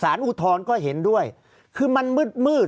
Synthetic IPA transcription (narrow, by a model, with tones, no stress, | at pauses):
saː˩˦nʔu˧˥t̪ʰɔː˧nkɔː˥˩ɦe˩˦ndu˥˩əj | kʰɯː˧ma˧nmɯ˥˩t̪̚mɯː˥˩